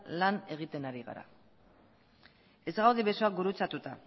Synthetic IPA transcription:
lane̞ɣ̞it̪e̞naɾiɣa̰ɾa̰ | e̞zɣawðeβe̞soak̚ɡuɾut͡sat̪ut̪a

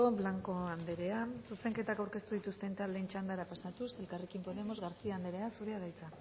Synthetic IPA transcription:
oβlaŋko̞and̪e̞ɾe̞asuse̞ŋke̞t̪akawɾke̞st̪uðit̪ust̪e̞nt̪ale̞nt͡ʃand̪aɾapasat̪use̞lkare̞kimpo̞ðe̞mo̞zɣaɾθiaːnd̪eɾe̞asuɾe̞aðajt͡sa

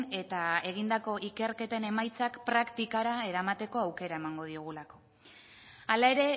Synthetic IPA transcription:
e̞t̪ae̞ɣ̞ind̪ako̞ʔike̞ɾke̞t̪e̞ne̞majt͡sakpɾakt̪ikaɾae̞ɾamat̪e̞ko̞awke̞ɾae̞maŋɡo̞ð̞ioɣ̞ulako̞̥ | alae̞ɾe̞

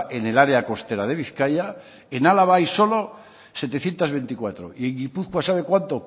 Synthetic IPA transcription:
ʔene̞laɾeako̞st̪e̞ɾað̞e̞β̞iθkaja | enalaβajso̞lo̞ | se̞t̪e̞θje̞nt̪azβe̞nt̪ikwat̪ɾo̰ie̞ŋɡipuθkwasaβ̞e̞kwant̪o

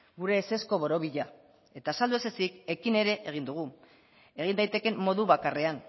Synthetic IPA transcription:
ɡuɾe̞ːse̞sko̞βo̞ɾo̞βiʎa | e̞t̪aːsald̪ue̞sesike̞kine̞ɾe̞ʔeɣ̞ind̪uɣ̞u | e̞ɣind̪ajt̪eke̞mːo̞ðuβakare̞an

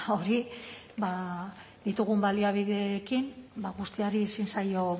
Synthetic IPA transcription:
o̞ɾi | ba | ðit̪uɣ̞umbaliaβiðe̞kimbaɣust̪iaɾiesinsajo̞

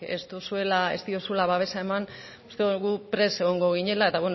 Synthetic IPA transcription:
e̞̰st̪usue̞lae̞̰st̪io̞sue̞laβaβ̞e̞sae̞man | ust̪eɣupɾe̞se̞ɣo̞ŋɡo̞ɣ̞iɲe̞lae̞t̪aβwen

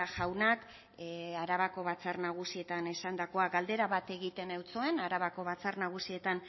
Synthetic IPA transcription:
aʝawnak | aɾaβako̞βat͡sarnaɣ̞usie̞t̪ane̞sand̪ako̞aɡald̪e̞ɾaβat̪e̞ɣit̪e̞nawt͡soe̞naɾaβako̞βat͡sarnaɣ̞usie̞t̪an

